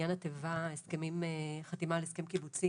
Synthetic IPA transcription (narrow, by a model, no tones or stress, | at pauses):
anat̪evaeskemimeχat̪imaleeskemkibut͡si